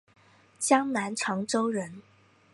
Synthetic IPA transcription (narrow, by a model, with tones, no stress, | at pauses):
t͡ɕjɑ˥ŋna˧˥nʈ͡ʂʰɑ˧˥ŋʈ͡ʂo˥ʊɻə˧˥n